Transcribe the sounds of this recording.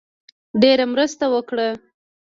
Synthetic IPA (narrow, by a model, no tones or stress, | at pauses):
ɖeɾamɾəst̪awəkɽə